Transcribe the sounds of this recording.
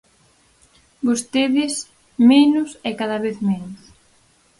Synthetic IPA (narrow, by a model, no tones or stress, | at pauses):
bost̪eðɪs | menʊsɛkaðaβeθmenʊs